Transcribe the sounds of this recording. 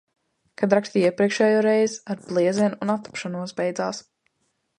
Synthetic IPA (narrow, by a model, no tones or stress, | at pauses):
kad̪ɾakst̪iiɛpɾiɛkʃɛːjoːɾɛjzaɾblˠiɛzɛnunat̪ːḁpʃanuɔsbɛjd̪zaːs